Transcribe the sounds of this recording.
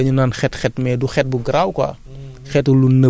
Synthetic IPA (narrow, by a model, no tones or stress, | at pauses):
ɐɲunaːnxɛtxɛtmɛduxɛt̚buɡɾawkɔa̰ | xɛtulunə